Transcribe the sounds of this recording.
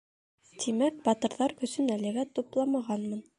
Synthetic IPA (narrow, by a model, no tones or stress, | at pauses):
t̪ʰimæk̚bɑt̪ɤ̆ɾðɑɾkɵ̆sɵnælɘ̆ɣæt̪uplˠɑmɑʁɑnmɤn